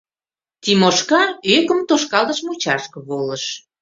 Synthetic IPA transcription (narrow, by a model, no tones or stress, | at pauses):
t̪imoʃkɑøkə̆mt̪oʃkɑlt̪əʃmut͡ɕɑʃkɤ̆βoləʃ